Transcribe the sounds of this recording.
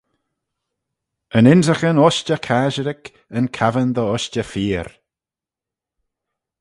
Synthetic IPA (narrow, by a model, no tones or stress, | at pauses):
ənɪnzəxənɔʃt͡ʃəkʰaːʒəɾɪk | ənkʰavənd̪əɔʃt͡ʃəfiːɾ